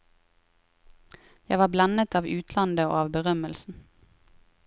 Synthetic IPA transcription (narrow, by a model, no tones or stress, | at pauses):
jæɪʋɑːblɑnət̪ɑːʋʉːt̪ʰlɑnd̪əo̰ːɑːʋbəʁœməlsn̩